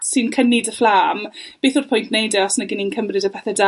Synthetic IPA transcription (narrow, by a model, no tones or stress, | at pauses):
sɨnkʰənɪdəflaːmbeːθʊr̥pʰʊjntnejdɛɔsnəɡɪnɪnkʰəmrɪdəpʰɛθɛda